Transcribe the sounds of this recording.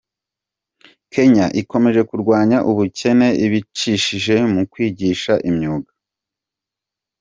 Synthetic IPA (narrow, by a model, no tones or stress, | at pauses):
kʰe̞ɲaʔiko̞me̞ʒe̞kuɾɡwaːɲaʔuβucʰe̞ne̞ʔiβit͡ʃiʃiʒe̞mukwiːɟiʃaʔimɲuːɡḁ